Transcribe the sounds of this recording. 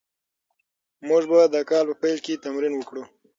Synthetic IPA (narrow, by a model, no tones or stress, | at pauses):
mʊʐbad̪əkɑlpəpajlket̪amɾinwəkɽu